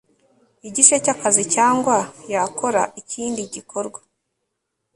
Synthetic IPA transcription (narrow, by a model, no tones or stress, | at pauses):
iɟiʃecakazicaːŋɡwajakʰo̞ɾaiciːndiɟikʰo̞ɾɡwḁ